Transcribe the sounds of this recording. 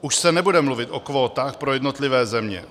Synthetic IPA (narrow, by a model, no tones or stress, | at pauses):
uʃsɛnɛbudɛmluvɪt̪ʔokvo̞ːt̪aːxpɾojɛdnot̪lɪvɛːzɛmɲɛ̰